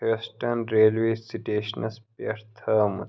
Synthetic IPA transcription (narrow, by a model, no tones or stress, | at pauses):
esʈɐnɾeːlʋeːsiʈeːʃnɐspɐɾt̪ʰɐmu